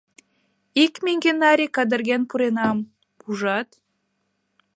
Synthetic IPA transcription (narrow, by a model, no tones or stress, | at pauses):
ikmʲeŋɡʲenɑɾʲikɑd̪ə̆rɣʲenpuɾenɑm | puʒɑt̪